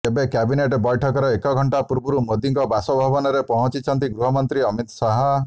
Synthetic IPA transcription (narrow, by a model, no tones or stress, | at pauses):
ebekabineʈbɔjʈʰɔkɔɾɔekɔɡʱɔɳʈapuɾbuɾumod̪iŋkɔbasɔbʱabɔnɔɾepɔɦɔ̃t͡ʃit͡ʃʰɔnt̪iɡɾuɦɔmɔnt̪ɾiɔmit̪sɔɦɔ